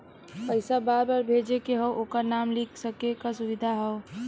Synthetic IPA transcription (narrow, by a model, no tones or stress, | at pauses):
pəɪsabaɾbaɾbʱed͡ʒekeɦəwʔokəɾnamlikʰsəkekasʊʋid̪ʱaɦɛo